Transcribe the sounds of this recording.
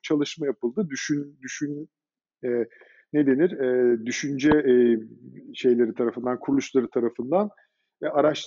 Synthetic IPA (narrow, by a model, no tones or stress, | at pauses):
t͡ʃʰalˠɯʃmajapɯlˠd̪ɯd̪yʃynd̪yʃyn | ɛ | ne̞d̪e̞niɾɛːd̪yʃynd͡ʒɛ | ʃe̞jlʲe̞ɾit̪ʰaɾafɯnd̪ankʰuɾulˠuʃlˠaɾɯt̪ʰaɾafɯnd̪an | ɛaɾaʃt̪